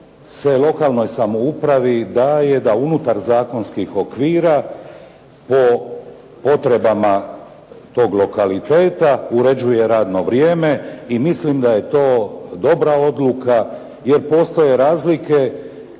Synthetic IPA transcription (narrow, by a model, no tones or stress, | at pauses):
sʋelˠo̞kalˠno̞jsamoupɾaʋid̪aje̞d̪aunut̪aɾzaːko̞nskixo̞kʋiːɾa | po̞ | po̞t̪ɾe̞bama | t̪o̞ːɡlˠo̞kalit̪eːt̪auɾe̞d͡ʑuje̞ɾaːd̪no̞ʋɾjeːme̞imislimd̪ajet̪o̞ːd̪o̞bɾao̞d̪luka | je̞ɾpo̞ːst̪oje̞ɾaːzlike̞